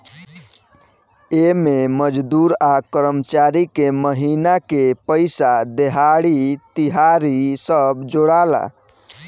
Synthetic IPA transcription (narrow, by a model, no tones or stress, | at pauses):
ememəd͡ʒd̪uɾakəɾəmət͡ʃaɾikeməɦinakepəɪsad̪eɦaɽit̪iɦaɾisəbd͡ʒoɽala̰